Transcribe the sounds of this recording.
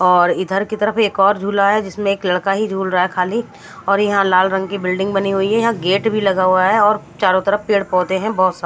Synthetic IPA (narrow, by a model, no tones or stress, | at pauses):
ɔːɾɪd̪ʱəɾkit̪əɾəpeːkɔːɾd͡ʒʱuːlaɦɛd͡ʒɪsmẽeːklɐɽkaɦid͡ʒʱuːlɾəaɦɛkʰaːli | ɔːɾjɐɦãlaːlɾə̃ŋɡ̚kibɪlɖɪ̃ŋɡbɐniɦʊiɦɛjɐɦãɡeːʈbʱilɐɡaɦuaɦɛɔːɾ | t͡ʃaːɾõt̪əɾəfpeːɽpɔːt̪eɦɛ̃bɔːt̪sa